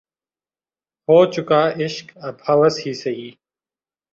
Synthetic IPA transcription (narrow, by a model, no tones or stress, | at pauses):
hoːt͡ɕukaːɪɕkɐbʱʰɐwɐshiːsɐiː